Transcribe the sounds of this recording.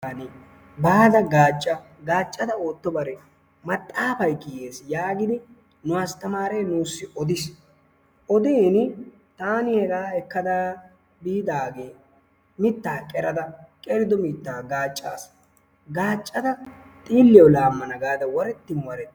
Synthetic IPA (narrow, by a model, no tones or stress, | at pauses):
anɪ | baːd̪ɐɡaːt͡ʃʼːɐ | ɡaːt͡ʃʼːɐd̪ɐoːt̪ːɔbɐɾɛ | mɐt̪ʼːaːfɐjkʼɪːeːsjaːɡɪd̪ɪ | nʊwaːst̪ɐmaːɾɛjnuːsːɪɔd̪ɪs | ɔd̪eːnɪ | t̪aːnɪhɛɡaːɛkːɐd̪a | biːd̪aːɡeː | mɪt̪ːaːkʼɛɾɐd̪ɐkʼɛɾɪd̪ɔmɪt̪ːaːɡaːt͡ʃʼːa̰ːs | ɡaːt͡ʃʼːɐd̪ɐ | t̪ʼiːlːɪɔlaːmːɐnɐɡaːd̪ɐwɔɾɛt̪ːɪmwɐɾɛt̪ː